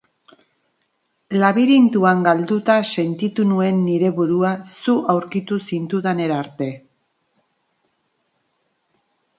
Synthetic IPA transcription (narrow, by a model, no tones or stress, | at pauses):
laβiɾint̪uaŋɡald̪ut̪ase̞nt̪it̪unue̞nːiɾe̞βuɾuasuʔawɾkit̪usint̪uðane̞ɾaɾt̪e̞